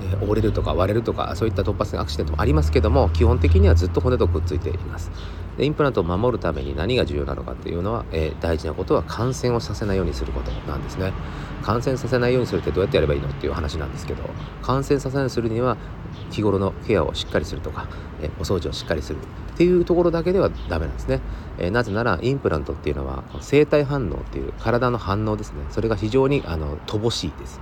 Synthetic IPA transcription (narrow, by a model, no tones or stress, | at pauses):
eʔo̞ɾe̞ɾɯ̟t̪o̞ka̰βaɾe̞ɾɯ̟t̪oka̰so̞ːit̪ːat̪o̞pːasẽʔa̰kɯ̟ɕi̥eom̰aɾʲimasɨ̥ke̞d̪o̞mo̞kʲihõ̞nt̪̬e̞k̬ʲiɲ̟iβad͡zɨt̪ːo̞ɦo̞net̪okɯt͡sɨit̪e̞̰ʔimasɨ̥ | d̪eĩmpɯɾãnt̪oːmamo̞ɾɯ̟t̪ame̞̰ɲ̟ḭnaɲ̟iɡaʑɨ̟ːjo̞ːna̰no̞ka̰t̪ːejɯ̟no̞βa̰ḛːd̪̥aiʑinako̞t̪o̞βakʰãɰ̃sẽɰ̃o̞sase̞naijo̞ːɲ̟isɨɾɯ̟ko̞t̪o̞̰nã̰nd̪e̞sɨne̞ | kʰãɰ̃sẽɰ̃sase̞naijoːɲisɨɾɯ̟t̪ːed̪o̞ːjat̪ːejaɾe̞baiːno̞̰t̪ːe̞iɯ̰ohanaɕinã̰nd̪e̞sɨ̥ke̞d̪o̞̰ | kʰãɰ̃sẽ̞ɰ̃sas̬enaisɨɾɯ̟ɲ̟iβa | kʲiɡo̞ɾo̞no̞ke̞jao̞̰ɕi̥kːaɾʲisɨɾɯ̟t̪o̞kḁ | ḛo̞so̞ːʑio̞ɕi̥kːaɾʲisɨɾɯ̟ | t̪ːe̞jɯ̟ːt̪o̞ko̞ɾo̞d̪ak̬e̞d̪e̞ad̪ame̞nã̰nd̪esɨne̞ | ḛnaze̞naɾa̰ʔĩmpɯ̟ɾʔã̰nt̪o̞t̪ːe̞iɯ̟noβa̰konose̞ːt̪aiɦãnːo̞̰ːt̪ːe̞jɯ̟̰ːkaɾad̪ano̞hãnːo̞ːd̪e̞sɨ̥ne̞so̞ɾe̞ɡaçiʑo̞ːɲ̟iʔano̞̰t̪ʰobo̞ɕiːd̪̥e̞sɨ̥